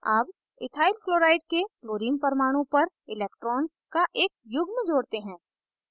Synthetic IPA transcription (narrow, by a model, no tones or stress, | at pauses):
aːb | ɪ̰t̪ʰaːɪlkloːɾaːɪʈkekloːɾiːmpɐɾmaːɽ̃õpɐɾ | ɪleːk̚ʈɾɔːnskaʔeːk̚jʊɡʱmẽd͡ʒoːɽt̪eɦɛ̃ː